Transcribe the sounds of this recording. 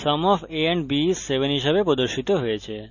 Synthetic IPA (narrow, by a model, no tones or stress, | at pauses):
səmɔfʰeeɳɖbisːeʋenɦiʃebepɾod̪oɾʃit̪oɦojet͡ɕʰe